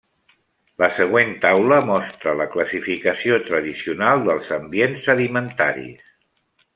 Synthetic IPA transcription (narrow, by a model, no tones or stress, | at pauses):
ləsəɣwent̪awləmɔst̪ɾələkləsifikəsiot̪ɾəðisiunalˠd̪əlˠzəmbienzəlimənt̪aɾḭs